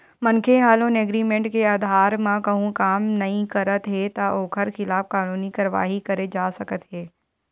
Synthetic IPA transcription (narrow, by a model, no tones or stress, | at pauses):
mɐnkʰeɦaːlõneːɡɾiːmẽɳʈkeɐd̪ʱɦaːɾmãkɐɦũkaːmnɐɦĩkɐɾət̪ɦeːt̪aʔoːkʰəɾxɪlaːfkaːnuːnikɐɾʋa̰ːɦikɐɾed͡ʒaːsɐkət̪ɦeː